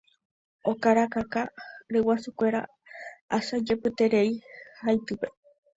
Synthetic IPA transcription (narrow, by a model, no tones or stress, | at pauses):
o̞kaɾakakaɾewasukʷe̞ɾa̰ | asad͡ʒe̞pɨt̪e̞ɾeihajt̪ɨpe̞